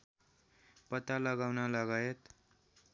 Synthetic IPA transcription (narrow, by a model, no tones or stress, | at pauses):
pʌt̪alʌɡawnalaɡajet̪